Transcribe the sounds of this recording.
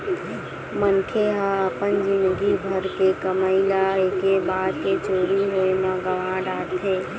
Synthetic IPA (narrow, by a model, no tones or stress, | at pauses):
mənkʰeɦə̃əpənd͡ʒind̪ɡibʱəɾkekəməɪlaekebad̪ket͡ʃoɾiɦoemãɡəʋãɖaɽt̪ʰe